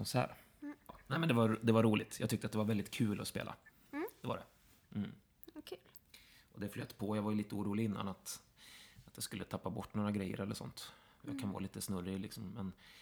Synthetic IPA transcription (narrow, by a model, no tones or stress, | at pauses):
ɔnsæ̰ːɾ | nɛɪmɛnd̪ɛvad̪ɛvaɾuːlɪt̪jɑ̰ːɡ̚t̪ʏk̚t̪əat̪d̪ɛvaɾvɛld̪ɪt̪̚kʰʉ̟ːlʔɔspḛːlʔa̰ | d̪̥ɛva̰ɖɛ̰ | l | ɔd̪ɛfløːt̪pʰɔjaːɡvajliːt̪əuːɾuːlɪɡɪnːa̰nat̪ | at̪jaskɵlːət̪ʰapːabɔʈːnoːɾaɡɾɛjːə̰ɾɛlːəʂɔ̰nt̪ | ja̰ɡkʰanvɑ̰ːliːt̪əsnɵrːɪlɪksɔmːɛn